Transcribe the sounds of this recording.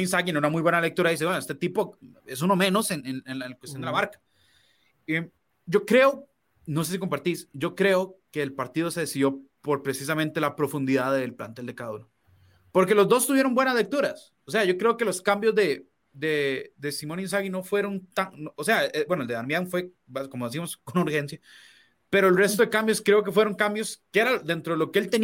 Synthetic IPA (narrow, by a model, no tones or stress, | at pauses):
ins̬aɣineunamujβwe̞nalek̚t̪uɾaðis̬wenoest̪et̪ipoes̬uno̞mẽ̞no̞senenenakwest̪jond̪eamaɾkḁ | em | ɟ͡ʝo̞kɾe̞o | no̞se̞s̬ikompaɾt̪isɟ͡ʝo̞kɾe̞okeːlpaɾt̪iðo̞se̞ðesiðjo̞poɾpɾe̞sis̬amẽnt̪elapɾo̞fund̪iðaðelpla̰nt̪eld̪e̞kaðulo | po̞ɾke̞lo̞zd̪o̞st̪uβje̞ɾo̞mbwe̞naslek̚t̪uɾas | ose̞aʝo̞kɾe̞oke̞loskambjozd̪e | d̪ed̪e̞simonins̬aɣino̞fwe̞ɾo̞nt̪aŋnoose̞abwe̞noeld̪eðaɾmjaŋfwe̞ | bakomoðes̬imoskonuɾxe̞nsja | pe̞ɾo̞elre̞st̪o̞ðekambjoskɾe̞ok̬e̞fwe̞ɾo̞ŋkambjoskeeɾad̪ent̪ɾoelokeelt̪en